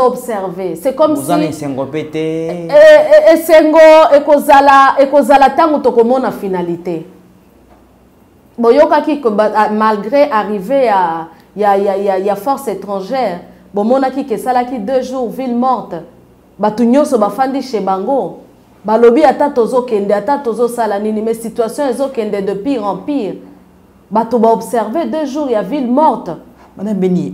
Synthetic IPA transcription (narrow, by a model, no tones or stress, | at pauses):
zoɔbsɛʁvesɛkɔmzaiiseŋɡopete | eseŋɡoekozalaekozalataŋɡotokomɔnafinalite | bojokakikmalɡʁeʔaʁiveja | jajajajafɔʁsetʁɑ̃ʒɛʁ | bomɔnakikesalakidøʒuʁvilmɔʁt | batuɲɔ̃sɔbafandiʃebaŋɡo | balobiatatozokɛndɛatatozosalaninimɛsitɥasjɔ̃ezokɛndɛdəpiʁɑ̃piʁ | batobaobsɛʁvedøʒuʁjavilmɔʁt | abini